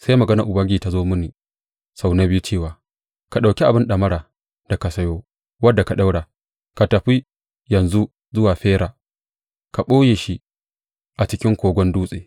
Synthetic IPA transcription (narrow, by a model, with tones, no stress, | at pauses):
sa˦jmɐ˨ɡɐ˦nɐ˨ʔʊ˨bɐ˦ŋɡʲiː˦˨ta˨zoː˦mʊ˦ni˨ | sa˦wna˦bɪ˦u˦t͡ʃeː˦˨waː˨ | ka˨ɗa˨kʲi˦ʔa˨bɪ˦nɗɐ˨mɐ˦ɾaː˨ | da˨ka˨sɐ˦joː˦ | wɐ˦dːa˨ka˨ɗa˦wɽaː˨ | ka˨tɐ˨ɸi˦ | jɐ˨nzu˦ | zʊ˦waː˨ɸeː˦ɾaː˨ | ka˨ɓoː˦jeː˨ʃi˦ | ʔa˨t͡ʃɪ˦kʲɪ˦ŋkʷoː˨ɡʷɔ˦nduː˦sʼḛː˨